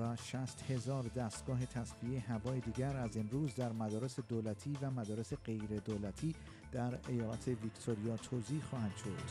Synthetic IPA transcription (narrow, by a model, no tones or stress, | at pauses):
væʃæst̪he̞zɒːɾd̪æːst̪ɡ̥ɒːɦe̞t̪ʰæsvieeɦævɒːjed̪iːɟæɾæze̞mɾuːzd̪æɾmæd̪ɒːɾe̞se̞d̪oːlæt̪ʰiːvæmæd̪ɒːɾe̞se̞ɢe̞jɾe̞d̪oːlæt̪ʰiː | d̪̥æɾe̞jɒːlæ̰t̪ʰe̞vikt̪ʰoɾijɒːt̪ʰoːziːhxɒːhænd̪̥ʃo̞d̪̥